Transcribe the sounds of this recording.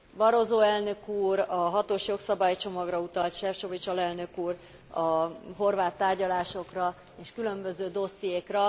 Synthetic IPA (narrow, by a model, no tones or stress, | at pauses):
vɒɾo̞zoːɛlnø̞kuːrɒɦɒt̪oːʃjo̞ksɒbaːjt͡ʃo̞mɒɡrɒut̪ɒlt̪ʃɛfʃovit͡ʃɒlɛlnø̞kuːr | ɒɦo̞rvaːt̪ːaːrɟɒlaːʃo̞krɒ | eːʃkylø̞mbø̞zøːd̪o̞sːijeːkrɒ